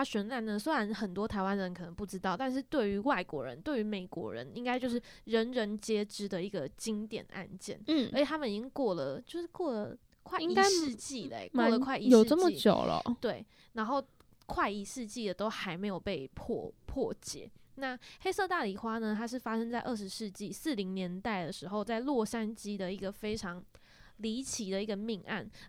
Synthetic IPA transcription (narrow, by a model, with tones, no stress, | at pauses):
ɕɥɛ˧˥nla˧˥nnə˧swe˥ɪɻa˧˦nxə˨˩nt̪wɔ˥t̪ʰa˧˥ɪwa˦nd̪ə˧ə˧˦nkʰɤ˨˩nə˧˦ŋpu˥˩ʈ͡ʂɻ̩˥t̪ɑ˥˩ʊt̪a˥˧nʂ̬ɻ̩˥˧t̪we˥˩ɪy˧˥wa˥˩ɪkwɔ̰˧˥ɻə̰˧˦nt̪we˥˩ɪy˧˥me˨˩ɪkwɔ̰˧˥ɻə̰˧˥ni˥ŋka˥ɪt͡ɕjo˥˧ʊʂ̬ɻ̩˥˩ɻə˧˥nɻə˧˥nt͡ɕjɛ˥ʈ͡ʂɻ̩˥d̪ə˨i˧˥ɡə˨t͡ɕi˦ŋt̪jɛ̰˨˩˦n˦ʔa̰˥˧nt͡ɕjɛ̰˥˨˩n̩˥˩˥ə˥t͡ɕʰt̪ʰa˥mə˨ni˧˥t͡ɕŋkwɔ˥˩lə˩t͡ɕjo˥˧ʊʂɻ̩˥˩kwɔ˥˩lə˩ | kʰwa˥˧ɪi˥ŋa˥ʂɻ̩˥˧t͡ɕi˥˩lḛ˩kwɔ˥˩lə˩kʰwa˥˧ɪi˧˥o˧˨˩ʈ͡ʂə˥˩mə˨˥˩t͡ɕjo̰˨˩ʊlə̰˨˩t̪we˥˩ɪ | na˧˥nxo˥˩ʊ | kʰwa˥˩ɪi˧˥˩ʂɻ̩˥˧t͡ɕi˥˩d̪ə˩t̪o˥ʊxa˧˥ɪme˧˥ɪjo˨˩ʊpe˥˧ɪpʰɔ̰˥˩pʰwɔ˥˩t͡ɕjɛ̰˨˩˦na˥˩xe˥ɪsɤ˥˧t̪a˥˩li˨˩xwa˥nə˨t̪ʰa˥ʂ̬ɻ̩˥˩fa˥ʂə˥ŋt͡sa˥˧ɪʔə˥˩ʂ̬ɻ̩˧˦ʂɻ̩˥˧t͡ɕi˥˨sɹ̩˥˩li˧˥ŋnjɛ˧˥nt̪a˥˩ɪd̪ə˩ʂɻ̩˧˥xo˥˧ʊt͡sa˥˧ɪlwɔ˥˩ʂa˥nt͡ɕi˥d̪ə˨i˧˥ɡə˨fe˥ɪʈ͡ʂʰɑ˧˥ŋ | li˧˥t͡ɕʰi˨˥d̪ə˨i˧˥ɡə˨mi˥˧ŋʔa̰˥˩n